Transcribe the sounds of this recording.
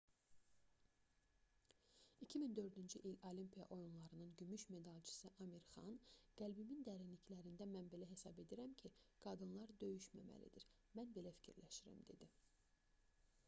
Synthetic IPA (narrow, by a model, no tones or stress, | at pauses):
icʰimind̪ø̞ɾd̪ynd͡ʒyʔilolimpʰijɑ̰ʔo̞junlˠɑɾɯnɯnɟymyʃme̞d̪ɑlˠt͡ʃʰi̥siʔɑmiɾχɑ̰nɡ̥ælbimind̪æɾinliclæɾind̪æmænbe̞læɦe̞sɑbe̞d̪iɾæmcʰiɡ̥ɑd̪ɯnlˠɑɾd̪ø̞jyʃmæ̰mæ̰lḭd̪iɾ | mænbe̞læfi̥cʰiɾlæʃiɾæ̰md̪e̞̰d̪i